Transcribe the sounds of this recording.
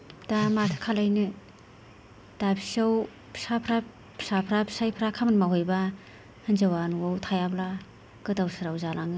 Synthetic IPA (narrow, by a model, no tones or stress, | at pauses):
d̥amatʰɯ̥kʰalajnɯ | d̥abʰisaw | pʰi̥sapʰɾa | pʰsapʰɾabʰi̥sajpʰɾakʰamanmaɦɔjba | hɯnzawanuwawtʰajabla | ɡ̥ɯdawsɯɾawzalaŋɯ